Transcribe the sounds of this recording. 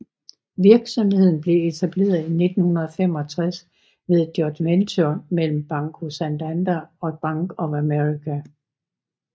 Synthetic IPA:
ʋiɐɡ̥sɒ̽mhe̝ð̞̰ˠn̩b̥le̝e̝t͡sʰæb̥le̝̰ːɐðˠine̝d̥n̩hunɐðˠɒfem̰ɒ̽t͡sʰʁas | ʋe̝ðˠd̥jɒd̥ment͡sʰomel̰m̩b̥ɑ̈ŋkʰo̝sænd̥ænd̥æɒ̽b̥ɑ̈ŋɡ̥ɒ̽æmeʁikʰæ

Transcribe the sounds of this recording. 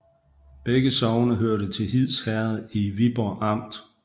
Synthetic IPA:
b̥eɡ̥əsɒʊnəɦøɐ̰ɾət͡sʰe̝lɦið̰ˠshæɐð̩ˠiʋib̥ɒʔɑ̈m̰d̥

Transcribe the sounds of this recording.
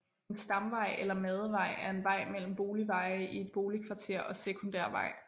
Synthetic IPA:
nsd̥ɑ̈mʋɑ̈ɪ̰ʔelɐmɛð̞ˠəʋɑ̈ɪ̰æɐe̝nʋɑ̈ɪ̰mel̰m̩b̥o̝ːliʋɑ̈ɪʔie̝d̥̚b̥o̝ːlikʰʋɑ̈t͡sʰe̝̰ɐ̰ɒ̽sekʰo̝nd̥æɐ̰ʋɑ̰̈ɪ̰

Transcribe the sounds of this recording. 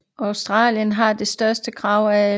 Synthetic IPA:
ɑʊsd̥ʁɑ̰̈ːljənɦɑ̈d̥e̝sd̥ɶɐsd̥əkʰʁɑ̈ʊ̰ææ

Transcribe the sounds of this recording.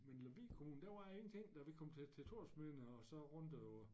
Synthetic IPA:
menlæʋḭːkʰomuːn̩d̥æʋɑ̈e̝ŋn̩t͡sʰe̝ŋ̰d̥ɑ̈ʋe̝kʰɒ̽mt͡sʰet͡sʰe̝t͡sʰo̝ɐsmenəɒ̽sɒ̽ʁɔ̽nd̥øʊɐ

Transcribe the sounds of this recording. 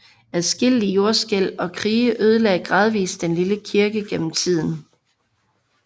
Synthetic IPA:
æsɡ̥il̰lijo̝ɐsɡ̥el̰ɒ̽kʰʁiːəʔøð̞ˠəleɡɡ̥ʁɑ̈ð̞ˠʋḭːsd̥enliləkʰiɐɡ̥əɡ̥en̰m̩t͡sʰið̞̰ˠn̩

